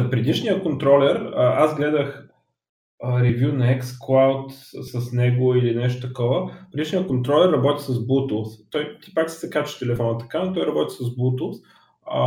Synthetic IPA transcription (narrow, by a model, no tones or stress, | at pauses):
pɾɛd̪it͡ʃnijəkont̪ɾɔlɛɾəazɡlɛd̪əx | əɾivʲjunɐɛksklˠawt̪sɐsnɛɡoilinɛʃ̬t̪o̥t̪ɐkɔvəpɾɛd̪iʃnijəkont̪ɾɔlɛɾːɐbɔt̪i̥sɐzbut̪əlˠst̪ɔjt̪i̥paksi̥sɛkat͡ʃɪ̥ʃt̪ɛlɛfɔnət̪ɐ̥kanot̪ɔjɾɐbɔt̪ʲi̥sɐzbut̪ulˠs